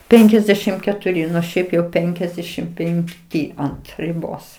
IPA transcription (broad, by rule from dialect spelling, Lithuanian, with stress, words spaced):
ˈpʲɛŋʲkʲɛzʲdʲɛʃʲɪm kʲɛtʊˈrʲɪ ˈnʊ ˈʃʲɛɪp jɛʊ ˈpʲɛŋʲkʲɛzʲdʲɛʃʲɪm pʲɛŋkˈtʲiː ˈɐnt rʲɪˈboːs